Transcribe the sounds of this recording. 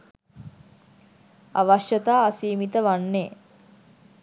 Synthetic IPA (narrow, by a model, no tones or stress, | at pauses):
a̰ʋaʃjət̪aːsiːmit̪əʋanːe